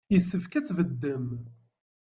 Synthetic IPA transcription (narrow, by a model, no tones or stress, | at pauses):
jəsːəfkæt͡sːvəd̪ːəm